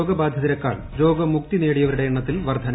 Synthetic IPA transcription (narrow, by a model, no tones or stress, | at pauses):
oːɡɐbaːd̪ʱjɐðiɾɐkːa̰ːɭ | ɾo̞ːɡɐmuk̚t̪ine̞ːɽijɐʋɐɾiɽɐjeɳːɐt̪ːilʋɐrd̪ʱɐn